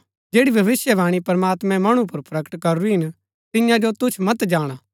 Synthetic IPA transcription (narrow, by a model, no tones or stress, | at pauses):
d͡ʒeːɽibʱɐʋɪsjəʋaːɽ̃ipɾɐmaːt̪mɛ̃mɐɽ̃ũpɐɾpɾɐkə̥ʈkɐɾɾiɦɪn | t̪ɪjãd͡ʒot̪ʊt͡ʃʰmɐt̪d͡ʒaːɽ̃aː